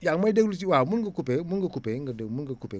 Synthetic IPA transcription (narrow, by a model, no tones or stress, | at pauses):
jaŋmaideklut̬iwamunɡəkupɛmunɡəkupeɡədəmuɡəkupe